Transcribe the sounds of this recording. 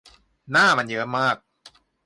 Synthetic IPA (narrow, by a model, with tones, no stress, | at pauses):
naː˥˩ma˧njɯ˦˥maː˥˩k̚